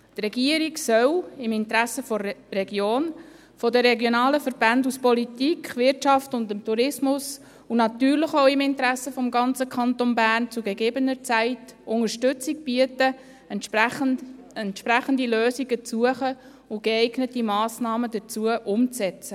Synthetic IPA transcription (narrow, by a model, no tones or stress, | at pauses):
t̪rɛɡiəɾiksœwɪmɪntɾæsːəfɔrɛɡjoːn | fɔdəːɛɡjonɑːləfəɾb̥ænduspɔlitikχʋɪɾtʃɑftʊndəmtuɾɪsmʊs | unɑt̪yːɾrləχoʊɪmɪntəɾæsəfɔmɡɑnt͡səkʰɑnt̪onbæːnt͡suɡeɡeːbənəɾt͡sæɪtʊŋəɾʃtʉt͡sik̚b̥iətə | ɛn | ɛntʃpɾæχəndiløːsiɡət͡suəχə | ʊɡeɛɪɡnətimɑːsnɑːməd̪ət͡suəʔʊmt͡sɛt͡sə